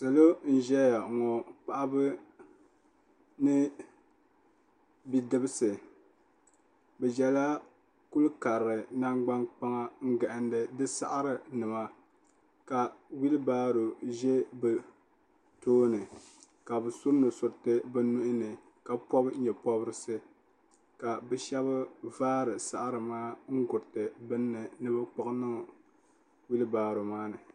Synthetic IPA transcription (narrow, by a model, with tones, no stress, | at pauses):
sɨ˨lo˦n̩˦ʒɛ˦ja˨ŋɔ˨k͡pa˨ʔa˦bɨ˦ | nɨ˦ | bi˦dɨ˦bɨ˦sɨ˨ | bɛ˨d͡ʒɛ˨la˦ | ku˦lka˨ɾɾɨ˨na˦ŋɡ͡ba˦nk͡pa˦ŋa˦ŋ̩˦ɡɛ˨ʔɪ˨ndɨ˨dɨ˦sa̰˦ʔa˦ɾɨ˨nɨ˨ma˦ | ka˨wi˦lɨ˦baː˦ɾo˨ʒɛ˦bɨ˨ | toː˦nɨ˨ | ka˨bɨ˨so˦no˨sʊ˨ɾtɨ˦bɨ˦nu˦ʔɪ˦nɨ˨ | ka˨pɔ˦bɲɛ˨pɔ˦bɨ˦ɾɨ˦sɨ˦ | ka˨bɛ˨ʃɛ˦βa˦vaː˦ɾɨ˨sa˦ʔa˦ɾɨ˨maː˦ŋ̩˦ɡʊ˨tɨ˨bɨ˦nːɨ˨nɨ˦ba˦k͡pʊ˦knɨ˦˨ | wi˦lbaː˨ɾo˨maː˦nɨ˨